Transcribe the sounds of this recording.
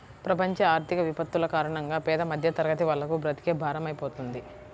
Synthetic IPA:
pɾɐpɐɲt͡ʃɐaːɾt̪ʰikɐʋipɐt̪ːulɐkaːɾɐɳɐŋɡaːpɛːd̪ɐmɐd̪ʱjɐt̪ɐɾɐɡɐt̪̬iʋɐlːɐkubɾɐt̪i̥keːbʱaːɾɐmɐjipo̞ːt̪und̪i

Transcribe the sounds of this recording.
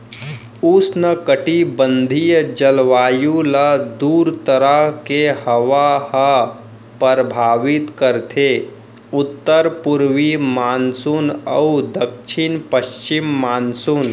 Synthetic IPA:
ʊsnəkəʈibə̃nd̪ʱijəd͡ʒɐlʋaːjũləd̪uːɾt̪əɾəɦkehɐʋaɦə | pəɾbʱaːʋɪt̪kəɾt̪ʰe | ʊt̪ːəɾpʊɾʋimaːnsunə̰ud̪əkʃʰɪnpəʃt͡ʃɪmːaːnsun

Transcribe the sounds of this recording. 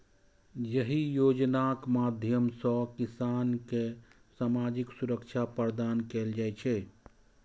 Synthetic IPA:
jəɦijoːd͡ʒnakmaːd̪ʱjəmsɔkɪsaːnke | saːmaːd͡ʒɪksuɾəkt͡ʃʰapəɾd̪aːnkeːld͡ʒaːt͡ʃʰɛ

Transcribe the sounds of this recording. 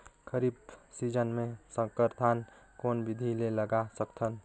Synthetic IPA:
kʰəɾib̚sid͡ʒənmesə̃kəɾt̪ʰan | konbid̪ʱileləɡasəkt̪ʰən

